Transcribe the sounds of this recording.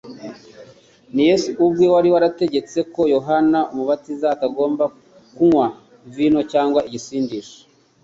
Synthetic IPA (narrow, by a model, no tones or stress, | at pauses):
nijesuubɡewaɾiwaɾate̞ɟe̞t͡se̞ko̞jo̞ɦanaumuβatizaːtaɡo̞ːmba | kuŋwa | vino̞caːŋɡwaiɟisiːndiʃo̥